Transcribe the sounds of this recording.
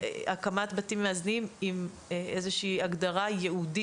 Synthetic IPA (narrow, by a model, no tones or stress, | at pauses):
ʔakamatbatimeaznimim | ezeʃiːaɡdaʁajeudi